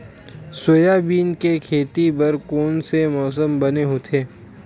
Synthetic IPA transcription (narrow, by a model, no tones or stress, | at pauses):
sojabiːnkekʰeːt̪ibɐɾkoːnsemɔːs̬əmbɐneɦot̪ʰeː